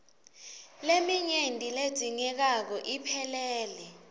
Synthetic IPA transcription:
lemiɲendʼʱiled̥z̥ʱiŋɛk̬ak̬ɔʔipʰɛlɛːlɛ

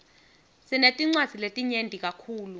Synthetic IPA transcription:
sinetʼiŋ͡ǀwḁz̥ʱiletʼiɲentʼik̬ʼakʰuːlu

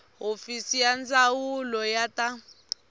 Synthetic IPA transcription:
ɦofisijand͡zawulɔjatʼa

